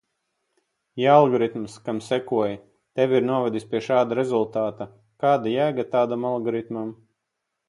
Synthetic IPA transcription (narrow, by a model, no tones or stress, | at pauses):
jaalˠɡɔɾit̪mskamsɛkuɔja | t̪ɛʋʲiɾnuɔvɛd̪isʲpʲiɛʃaːd̪aɾɛzulˠt̪aːt̪a | kaːd̪ajæːɡat̪aːd̪amalˠɡɔɾit̪mam